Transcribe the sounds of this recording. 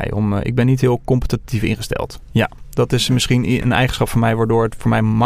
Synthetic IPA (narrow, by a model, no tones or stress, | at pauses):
jɔ̰mɪ̰ɡ̚bɛnːitɦɪːlˠkɔmpə̥tatifɪ̰nχəstɛ̰lˠtja̰ːd̥ɑtɪsmɪsχinə̰nɛ̰jχənsχɑpfʊːɹmɛjʋaːdʊːɹətfʊːɹmɛjm